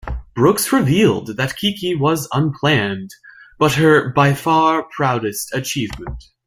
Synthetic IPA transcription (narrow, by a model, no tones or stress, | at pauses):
b̥ɹʊksɹɨvilˠd̪̚ðɨt̚kʰikiwʌzə̃npʰl̥æ̃nb̥ʌt̚ɦə˞baɪfɑɹpʰɹ̥aʊɾɨstʰɨt͡ʃʰivmɨ̃nt̚